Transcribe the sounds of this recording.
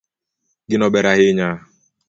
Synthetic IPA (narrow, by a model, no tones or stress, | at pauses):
ɡɪnɔbeɾaɦɪɲa